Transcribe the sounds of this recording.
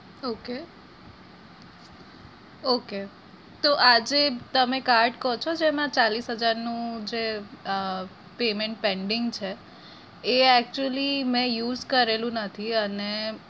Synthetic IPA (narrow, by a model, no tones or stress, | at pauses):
oke | oke | t̪oʔad͡ʒet̪əmekaɾɖkɔt͡ʃʰod͡ʒemãt͡ʃalisɦəd͡ʒaɾnũd͡ʒe | pemẽɳʈ̚pẽɳɖɪŋɡt͡ʃʰeː | ɛk̚t͡ʃuəlimɛ̃juːzkəɾelũnət̪ʰiəne